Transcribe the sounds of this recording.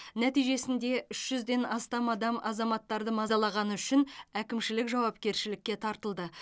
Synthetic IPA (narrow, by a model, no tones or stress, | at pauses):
næt̪ijʒe̞sɪnd̪e̞ʔʏʃʒʏzd̪e̞nɑst̪ɑmɑd̪ɑmɑzɑmɑt̪ːɑɾd̪əmɑzɑlˠɑʁɑnəʏʃɪnækʲɪmʃɪlɪkʒɑwɑp̚kʲe̞ɾʃɪlɪkʲːe̞t̪ʰɑɾt̪əlˠd̪ə